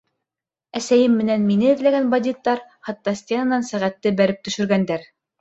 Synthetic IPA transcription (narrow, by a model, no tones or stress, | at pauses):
æsæjɘmːɘ̆nænminɘɘ̆ðlæɡænbɑd̪ʲit̪ːɑɾχɑt̪ːɑsʲt̪ʲenɑnɑnsæʁæt̪ːɘbæɾɘp̚t̪ɵ̆ʃɵ̆ɾɡænd̪æɾ